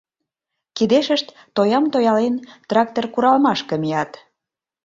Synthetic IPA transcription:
kid̪eʃəʃt̪ːojɑmt̪ojɑlent̪rɑk̚t̪orkuɾɑlmɑʃkə̆mijɑt̪

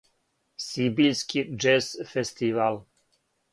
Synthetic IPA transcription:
sibilskʰid͡ʒesfest̪iʋal

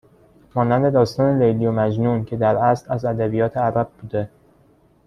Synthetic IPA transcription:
mɒːnænd̪e̞d̪ɒːst̪ɒːnelejlijomæd͡ʒnuːncʰe̞d̪æɾæslæzæd̪æbijɒːt̪ʰeæɾæb̚buːd̪e̞

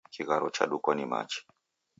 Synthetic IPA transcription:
kʰiɣaɾɔt͡ʃa̰ɗukɔnima̰t͡ʃi̥

